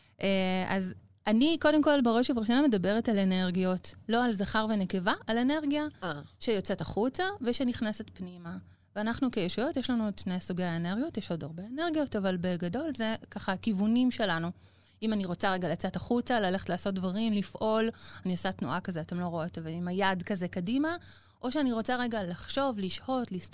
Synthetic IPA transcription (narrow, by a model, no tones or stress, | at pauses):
ʔeʔaz | aniko̞de̞mko̞lbeʁoʃevaʁiʃoname̞dabe̞ʁetalene̞ʁɡio̞tlo̞alzaχaʁvene̞ke̞vaːle̞ne̞ʁɡiaʃejot͡setaχut͡saveʃeniχnese̞tpnima | veanaχnukejeʃujo̞tjeʃlanudʃnejsuɡejaene̞ʁɡijo̞tjeʃo̞daʁbe̞ene̞ʁɡijo̞tavalbe̞ɡado̞lze̞kaχaːkivunimʃe̞lanu | imaniʁo̞t͡saʁe̞ɡalat͡setaχut͡salale̞χtlaːso̞t̚dvaʁimlifʔo̞laniosatnuʔakazeatemlo̞ʁoot̪aveimajadkaze̞kadima | ʔo̞ʃeaniʁo̞t͡saʁe̞ɡalaχʃo̞vliʃho̞tlis